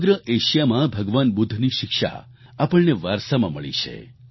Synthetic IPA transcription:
ɡɾəʔeʃjamãbʱəɡʋanbʊd̪ʱːniʃɪkʃa̰ | apəɭneʋaɾsamã̰məɭḭt͡ʃʰḛ

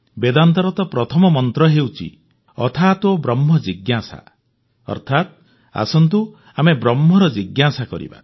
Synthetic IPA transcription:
bed̪ant̪ɔɾɔt̪ɔpɾɔt̪ʰɔmɔmɔnt̪ɾɔɦewt͡ʃʰḭ | ɔ̰t̪ʰaːt̪obɾɔmːɔd͡ʒiɡjasa̰ | ɔ̰ɾt̪ʰat̪ | a̰sɔnt̪u | amebɾɔmːɔɾɔd͡ʒiɡjasakɔ̰ɾḭba̰

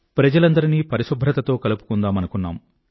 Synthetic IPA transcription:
pɾɐd͡ʒɐlɐnd̪ɐɾiniːpɐɾisubʱɾɐt̪ɐt̪o̞ːkɐlupu̥kund̪aːmɐnukunːa̰ːm

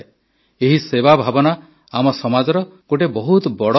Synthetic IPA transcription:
eɦisebabʱabɔna | amɔsɔmad͡ʒɔɾɔkoʈ̬ebɔɦut̪ɔbɔɽɔ

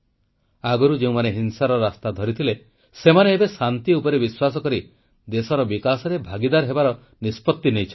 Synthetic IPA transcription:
aɡɔɾud͡ʒeũmaneɦinsaɾɔɾast̪ad̪ʱɔɾit̪ʰile | semaneːbesant̪iupɔɾebiswasɔkɔɾi | d̪esɔɾɔbikasɔɾebʱaɡid̪aɾɦebaɾɔ | nispɔt̪ːinejt͡ʃʰ

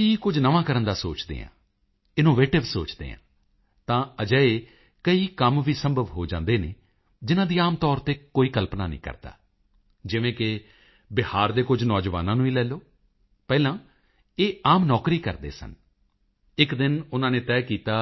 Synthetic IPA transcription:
iːkʊd͡ʒnəʋãːkəɾənd̪aːsoːt͡ʃd̪ḛːɦã̰ː | ɪnoːʋeːʈɪʋsoːt͡ʃd̪ḛːã̰ː | t̪ãːəd͡ʒəeː | kəiːkəmʋiːsəmbəʋɦoːd͡ʒã̰ːnd̪eːnḛː | d͡ʒɪnãːd̪iːaːmt̪ɔːɾt̪eːkoːiːkəlpnaːnḭ̃ːkə̰ɾd̪a̰ː | d͡ʒɪʋẽːkɪ | bɪhaːɾd̪eːkʊd͡ʒnɔːd͡ʒʋa̰ːnãːnũːiːlɛːloː | pɛːlãː | eːaːmnɔːkɾiːkə̰ɾd̪ḛːsə̰n | ɪkd̪ɪnʊnãːneːt̪ɛːkiːt̪aː

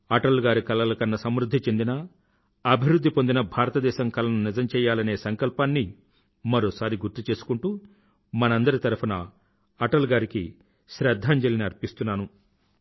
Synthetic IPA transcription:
ɐʈɐlɡaːɾikɐlɐlɐkɐnːɐsɐmɾud̪ʱːit͡ʃe̞nd̪inɐ | ɐbʱiɾud̪ʱːipo̞nd̪inɐbʱaːɾɐt̪ɐd̪ɛːʃɐmkɐlɐnunid͡ʒɐmt͡ʃɛːjːaːlɐne̞ːsɐŋkɐlpaːnːi | mɐɾoːsaːɾiɡuɾt̪ut͡ʃeːsu̥kuɳʈuː | mɐnɐnd̪ɐɾit̪ɐɾupʰɐnɐ | ɐʈɐlɡaːɾiki | ʃɾɛd̪ʱːaːɲd͡ʒɐliniɐɾpist̪unːaːnu

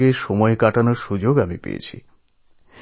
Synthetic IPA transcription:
eʃɔmɔekaʈanoɾʃud͡ʑoɡamipḛjḛt͡ɕʰḭ

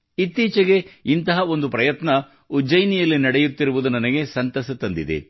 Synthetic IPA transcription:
it̪ːiːt͡ʃɐɡe̞int̪ɐɦɐo̞nd̪upɾɐjɐt̪nɐ | ud͡ʒɐjnijɐlːinɐɽejut̪ːiɾuʋud̪unɐnɐɡe̞sɐnt̪ɐsɐt̪ɐnd̪id̪ḛ

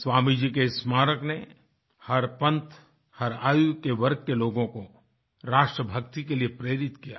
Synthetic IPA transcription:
swaːmid͡ʒiːkesmaːɾəkne | hɐɾpɐ̃nt̪ | hɐɾaːjukeʋɐɾɡ̚keloːɡõko | ɾaːʃʈɾəbʱɐkt̪ikeliepɾeːɾɪt̪kija̰

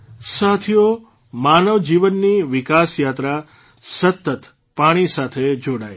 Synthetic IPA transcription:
sat̪ʰijo | manəʋd͡ʒiʋənːiʋɪkasjat̪ɾa | sət̪ːət̪ | paɽ̃isat̪ʰed͡ʒoɽaj

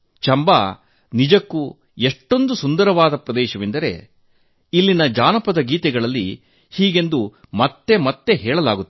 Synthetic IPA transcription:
t͡ʃɐmbaː | nid͡ʒɐkːu | eʂʈːo̞nd̪usund̪ɐɾɐʋaːd̪ɐpɾɐd̪ɛːʃɐʋind̪ɐɾe̞̰ | ilːinɐd͡ʒaːnɐpɐd̪ɐɡiːt̪ɛɡɐɭɐlːi | hiːɡe̞nd̪u | mɐt̪ːe̞mɐt̪ːe̞ɦɛːɭɐlaːɡut̪ːe

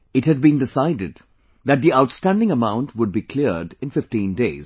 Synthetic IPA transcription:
ɨʈhɨd̚bĩndɪsaɪdɪd | ðæt̚d̪iaʊʈstæ̃ndɪ̃ŋəmãʊ̃nʈʰwʊɖ̚bikʰl̥iɾɖɪ̃nfɪftĩːndeɪz̥

